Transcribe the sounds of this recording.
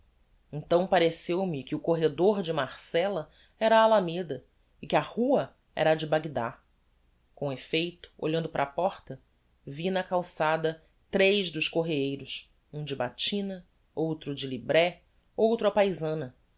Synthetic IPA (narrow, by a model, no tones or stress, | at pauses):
ẽnt̪ɐ̃w̃paɾesewmɪkɪʊkoɦed̪oɾd͡ʒɪmaɾsɛlɐ | ɛɾɐːlamed̪ɐ | ɪkɪɐhuɐ | ɛ̰ɾɐd͡ʒɪbaɡid̪a̰ | kõefejt̪ʊ̥o̰ʎɐ̃nd̪ʊpɾʔɐ̰ːpɔɾt̪ɐ | vinɐkawsad̪ɐ | t̪ɾejʒd̪ʊʃkoɦeejɾʊs | ũd͡ʒɪbat͡ʃĩnɐ | owt̪ɾʊd͡ʒɪlibɾɛ | owt̪ɾʊɐpajzɐ̃nɐ